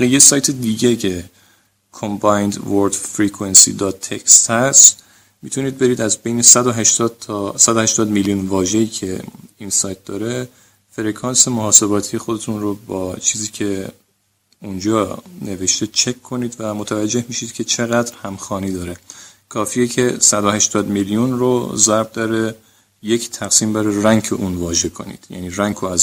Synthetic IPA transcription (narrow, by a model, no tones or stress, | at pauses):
bæɣijesɒːjt̪ʰe̞d̪iːɟecʰe | kʰombɒjnd̪voɾd̪fɾiːkʰuwe̞nsḭːd̪ɒːt̪ʰːecst̪hæs | mit̪ʰuniːd̪̚be̞ɾiːd̪æzbe̞jnesæd̪oɦæʃt̪ɒd̪ʰsæd̪ohæʃt̪ɒːd̪miljunvɒːʒe̞iːcʰeinsɒːjt̪̚d̪̥ɒːɾe̞ | feɾekʰɒːnse̞moɦɒːse̞bɒːt̪ʰije̞xo̞d̪e̞t̪ʰunrobɒːt͡ʃʰiːziːcʰe̞ | und͡ʒɒːne̞ve̞ʃt̪et͡ʃʰe̞kʰːo̞niːd̪væmot̪ʰævæd͡ʒːe̞hmiːʃiːd̪̥cʰe̞t͡ʃʰe̞ɣæd̪ɾhæmxɒːniːd̪ɒːɾe̞kʰɒːfiːjecʰesæd̪ohæʃt̪ɒːd̪miljunro̰zæɾbd̪ɒːɾe̞ | ject̪ʰæɣsiːmbæɾeræŋkʰḛʔuːnvɒːʒe̞kʰo̞̰nḭːd̪̥jæ̰niːɾæŋkʰoæz